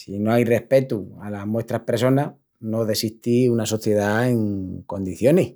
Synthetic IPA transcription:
sino̞ajre̞hpe̞t̪ualamwe̞st̪ɾahpɾes̬o̞na | noðe̞siht̪iunaso̞θje̞ðaeŋko̞nd̪iθjo̞ne

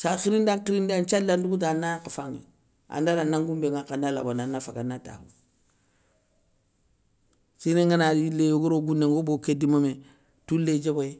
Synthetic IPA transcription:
saxiɾindaŋkiɾindant͡ʃalːanduɡut̬anːakafaŋḛ | a̰ndalanaŋɡumbeŋakanala̰bonanːafakanata̰hṵ | sineŋɡanailejoɡoɾoɡunːeŋɡobokedimame | tulːed͡ʒeboje

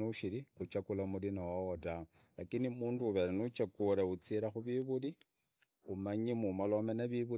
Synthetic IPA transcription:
uʃiɾixut͡ʃakulamulinowaota | lakinimuːnduːβeɾanut͡ʃakuɾeut͡siɾaxuβiβuli | umaɲimumalomenaβiβu

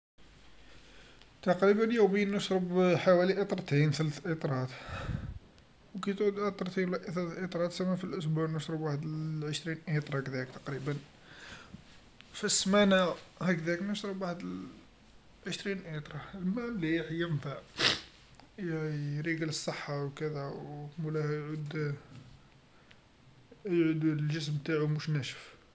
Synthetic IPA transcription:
t̪ɑqɾibənjuwminːəʃɾəbħawæliʔət̪ˤɾˤt̪inθælæθʔit̪ˤɾˤɑt̪ | wkæt̪ʕud̪ət̪ˤɾˤt̪iwlæʔθælæθʔit̪ˤɾˤɑt̪sæmːæfilʔʊs̬buʕnəʃɾəbwaħəd̪əʕəʃɾinʔit̪ˤɾˤɑkd̪æəkt̪ɑ̥qɾibən | fismænæhæk̚d̪æknəʃɾəbwaħəd̪əl | ʕəʃɾinʔit̪ˤɾˤɑlmæliħjəmfaʕ | jɾiɡələsˤːəħːawkəd̪æwmulæhjʕud̪ | jʕud̪lʒəs̬mt̪aʕumuʃnæʃə̥f

